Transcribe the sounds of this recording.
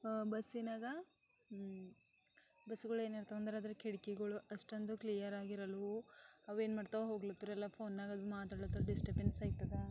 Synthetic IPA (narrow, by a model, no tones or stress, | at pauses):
bɐseːnaːɡɐ | bɐsuɡɐɭe̞ːnɐɾt̪ɐʋɐnd̪ɐɾaːd̪ɐɾɐkʰeɽikɛɡɐɭuʔɐʂʈond̪uklijɐɾaːɡiɾɐluɐʋe̞ːnmaːɽt̪aʋeɦo̞ːɡlot̪ːuɾɛlːapʰo̞ːnːaːɡɐd̪umaːt̪aːɽɭot̪ːɐɾɖisʈɐbensaːjt̪ːɐd̪e